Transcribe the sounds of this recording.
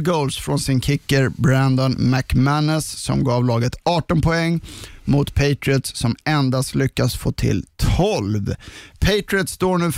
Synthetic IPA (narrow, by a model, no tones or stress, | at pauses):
ɡɔlsfɾɔnsɪnkʰɪkːəɾbɾænd̪ɔnmækmænəsːɔ̰mɡɑːvlɑːɡət̪ɑːʈɔnpʰɔɛŋːmʊt̪pʰejt̪ɾɪət̪ssɔmɛnd̪ast̪lʏkːasfo̰ːt̪ʰɪ̰lt̪ʰɔlvpʰeɪt̪ɾɪət̪st̪oːɳʉ̟ː